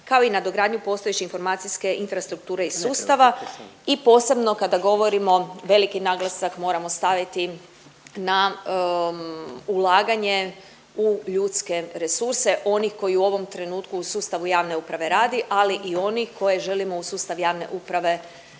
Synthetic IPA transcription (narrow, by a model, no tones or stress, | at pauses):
kaoinad̪oɡɾaːd̪ɲupo̞st̪oet͡ɕiinfo̞ɾmaːt̪sijske̞ʔinfɾast̪ɾuk̚t̪uːɾeisuːstt̪aʋaipo̞ːse̞bno̞kad̪aɡo̞ʋo̞ɾimo̞ʋe̞likinaɡlasakmo̞ɾamo̞st̪aʋit̪i | na | ulˠaːɡaɲe̞ | uʎuːt̪ske̞ɾe̞suɾse̞ʔo̞nixko̞jiuo̞ʋo̞mt̪ɾe̞nuːt̪kuːsuːst̪aʋujaːʋne̞upɾaʋe̞ɾaːd̪iʔaliʔio̞nixko̞je̞ʒe̞limo̞usuːst̪aʋjaːʋne̞̰ʔupɾaʋe̞